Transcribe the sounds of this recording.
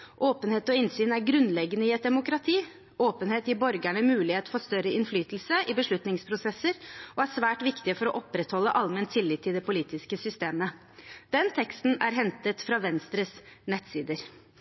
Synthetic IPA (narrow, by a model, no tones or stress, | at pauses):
ʔoːpənheːt̪ɔɪnsyːnæɾɡɾʉnlɛɡənəɪɛt̪̚d̪ɛmʊkɾɑt̪ʰiː | oːpənheːt̪jɪbɔɾɡæɳəmʉːlɪheːt̪fɔɾst̪œɾəɪnflyːt̪l̩səʔɪbəʂɭʉt̪nɪŋspʰɾʊsɛsəɾɔæʂʋæːʈʋɪkt̪ɪəfɔɾɔʔɔpɾɛt̪hɔlːəʔɑlmɛnt̪ʰɪlːɪt̪ʰːɪld̪ɛpʊliːt̪ɪskəsʏst̪eːmə | d̪̥ɛnt̪ʰɛkst̪n̩æɾɦɛnt̪ət̪fɾɑʋɛnst̪ɾəsnɛt̪siːd̪əɾ